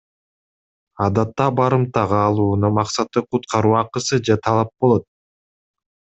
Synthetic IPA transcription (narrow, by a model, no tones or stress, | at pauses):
ɑd̪ɑt̪ːɑbɑɾɯmt̪ɑʁɑːlˠuːnumɑqsɑt̪ɯqʰut̪qɑɾuːɑqɯsɯd͡ʒet̪ʰɑlˠɑp̚bo̞lˠo̞t̪̚